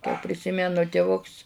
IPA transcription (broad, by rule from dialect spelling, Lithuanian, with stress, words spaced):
kɐɪ pʲrʲɪˈsʲɪmʲɛnʊ tʲɪˈʋʊks